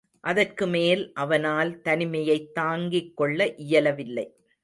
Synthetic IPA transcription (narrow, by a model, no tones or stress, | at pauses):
ʔɐðɐrkɯmeːlʔɐʋɐnaːlt̪ɐnɪmɐjɐɪt̪ːaːŋɡɪkːɔɭːɐʔɪjɐlɐʋɪlːɐɪ